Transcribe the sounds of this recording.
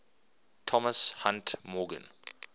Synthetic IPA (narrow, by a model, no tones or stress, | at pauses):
tʰɔməshãntmɔːɡə̰̃n